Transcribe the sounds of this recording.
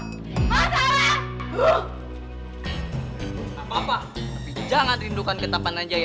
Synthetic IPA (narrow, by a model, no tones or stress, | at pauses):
mada | apapa | d͡ʒaŋanrindukankət̪apanaɲd͡ʒaj